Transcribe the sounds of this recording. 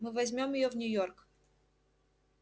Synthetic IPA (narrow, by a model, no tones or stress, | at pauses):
mɨvɐzʲmʲomjɪjovnʲʊjork